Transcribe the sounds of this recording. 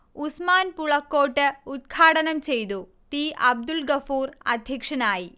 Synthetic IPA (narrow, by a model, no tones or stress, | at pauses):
usmaːnpuɭɐkːoːʈːɨut̪̚kʰaːɽɐnɐmt͡ɕe̞jt̪u | t̪iːʔɐb̚d̪ulɡɐfuːrɐ̰d̪ʱjɐkʂɐnaːji